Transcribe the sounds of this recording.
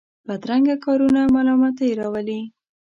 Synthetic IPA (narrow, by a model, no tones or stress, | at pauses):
bad̪ɾaŋɡakɑɾunamalɑmɑt̪ajeɾɑwəli